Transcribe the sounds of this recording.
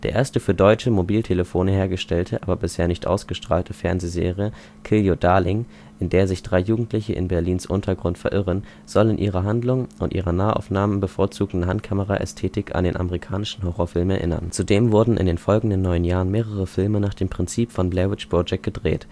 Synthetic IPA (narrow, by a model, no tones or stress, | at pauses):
d̥eːɐʔḛːɐstəfyːɐdɔʏt͡ʃəmobiːltʰeləfoːnəheːɐɡəʃtɛltʰəʔaːbɐbɪsheːɐnɪçtʔa̰ʊsɡ̥əʃtʁ̥aːltʰəfɛɐnzeːzḛːʁijə | kʰɪljodaɐlɪŋ | ʔɪndeːɐzɪçd̥ʁaɪjuːɡŋ̩tlɪçəʔɪ̰nbɛɐliːnsʔʊntʰɐɡʁʊntfɛɐʔɪʁən | z̥ɔlɪnʔḭːʁɐɦandlʊŋʔʊntʔiːʁɐnaːəʔa̰ʊfnaːmənbəfoːɐt͡suːɡ̩dn̩ɦantkʰaməʁa̰ʔɛ̰stʰeːtɪkʰa̰ndeːnʔa̰məʁikʰaːnɪʃn̩ɦoʁɔːɐfɪlmɛɐʔɪ̰nɐ̰nt͡sudeːmvʊɐdn̩ʔɪ̰ndeːnfɔlɡŋ̩dənːɔʏənjaːʁənmeːʁəʁəfɪlmənaːχd̥eːmpʁ̥ɪnt͡siːpfɔnblɛvɪt͡ʃb̥ʁɔd͡ʒɛk̚ɡ̥ədʁḛːt